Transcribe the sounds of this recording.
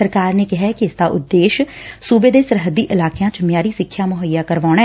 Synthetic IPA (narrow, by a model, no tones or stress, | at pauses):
əɾkaːɾneːkɪɦɛːkɪɪsd̪aːʔʊd̪ːeːʃsuːbeːd̪eːsəɾɦəd̪iːʔɪlaːkjãːt͡ʃmjaːɾiːsɪkʰːjaːməɦəjːaːkəɾʋaːɳ̃ɛː